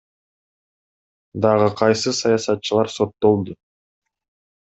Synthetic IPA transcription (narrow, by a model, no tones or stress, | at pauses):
d̪ɑʁɯqʰɑjsɨsɑjɑsɑt̪̚t͡ʃɯlˠɑɾso̞t̪ːo̞lˠd̪u